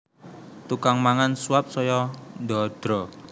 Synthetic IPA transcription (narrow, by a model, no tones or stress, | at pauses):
t̪ukaŋmaŋansuap̚sɔjɔnd̪ɔd̪̥ɾɔ